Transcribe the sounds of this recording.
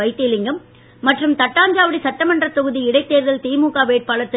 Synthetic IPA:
ɐɪt̪ːɪlɪŋɡɐmː | ɐʈrɯmt̪ɐʈːaːɲd͡ʒaːʋɐɽisɐʈːɐmɐndrɐt̪ːɔɣɯðiɪɽɐɪt̪ːeːɾðɐlt̪iːmuːkaːʋeːʈ̚paːɭɐt̪ːɪ

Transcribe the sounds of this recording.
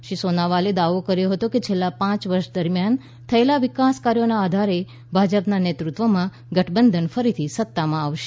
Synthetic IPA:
ʃisonaʋaled̪aʋokəɾjoɦət̪oket͡ʃʰelːapãt͡ʃʋəɾʃd̪əɾmjan | t̪ʰəelaʋɪkaskaɾjonaːd̪ʱaɾe | bʱad͡ʒəpnanet̪ɾut̪ʋəmã | ɡəʈʰbənd̪ʱənfəɾit̪ʰisət̪ːamãaʋʃe

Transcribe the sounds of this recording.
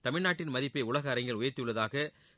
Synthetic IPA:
t̪ɐmɪɻnaːʈːɪnmɐðɪpːeɪʊɭɐɣɐɐɾɐɪŋɡɐɭʊjɐɾt̪ːɪjɯɭːɐðaːɣɐ

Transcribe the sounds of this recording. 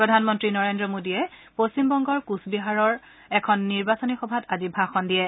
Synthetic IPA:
pɹɔdʱanmɔntɹinɔɹendɹɔmodijɛpostimbɔŋɡɔɹkusbiɦaɹɔɹ | ɛkʰɔnːiɹbasɔnixɔbʱatazibʱaxɔndiɛ

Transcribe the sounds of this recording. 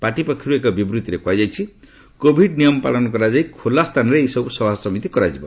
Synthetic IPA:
paʈipakʰiɾuekɔbibɾut̪iɾekwajd͡ʒajt͡ʃʰi | kobʱiɖnijɔmɔpa̰ɭɔnɔk̬ɔɾad͡ʒajkʰolast̪ʰanɔɾeejsɔbusɔbʱasɔmit̪ikɔɾad͡ʒibɔ

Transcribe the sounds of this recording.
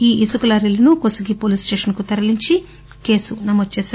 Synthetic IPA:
iːʔisukɐlɐɾilɐnukosɐɡipoːlisʈeːʃɐnkut̪ɐɾɐliɲt͡ʃi | ke̞ːsunɐmod̪̚t͡ʃeːs

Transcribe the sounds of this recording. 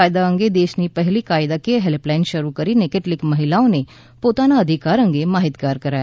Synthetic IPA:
ajd̪aə̃ŋɡed̪eːʃnipəɦlikaːɪd̪akeɦɛlplaɪnʃəɾukəɾinekeʈlɪkmɐɦɪlaõne | poːt̪anaəd̪ʱikaːɾə̃ŋɡemaːɦɪt̪ɡaːɾkəɾae

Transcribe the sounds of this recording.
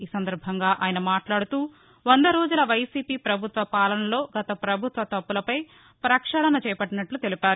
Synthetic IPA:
iːsɐnd̪ɐɾbʱɐŋɡaːʔaːjɐnɐmaːʈlaːɽut̪uː | ʋɐnd̪ɐɾo̞ːd͡ʒulɐʋɐjsiːpiːpɾɐbʱut̪ʋɐpaːlɐnɐlo̞ːɡɐt̪ɐpɾɐbʱut̪ʋɐt̪ɐpːulɐpɐj | pɾɐkʂɐɽɐnɐt͡ʃɛːjɐpɐʈːinɐʈlut̪elipaːɾu

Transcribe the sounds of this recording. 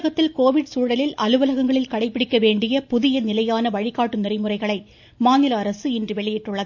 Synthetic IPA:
ɣɐt̪ːɪlkoːʋɪɽsuːɽɐlɪlɐlɯʋɐlɐɣɐŋɡɐɭɪlkɐɽɐɪpːɪɽɪkːɐʋeːɳɖɪjɐpʊðɪjɐnɪlɐjaːnɐʋɐɻɪkːaːʈːɯnɪrɐɪmɯrɐɪɣɐɭɐɪ | maːnɪlɐːɾɐsɯɪndrɯʋɛɭɪjɪʈːɯɭːɐðɯ

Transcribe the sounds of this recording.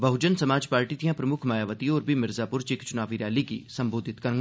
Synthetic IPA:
bɐɦʊd͡ʒənsɐmaːd͡ʒpaːɾʈit̪ʰijãpɾɐmʊkʰmaːjaːʋət̪iɔːɾbʱimɪɾzaːpʊɾt͡ʃeːkt͡ʃʊnaːʋiɾjaːlikisɐ̃mboːd̪ʱɪt̪kɐŋ

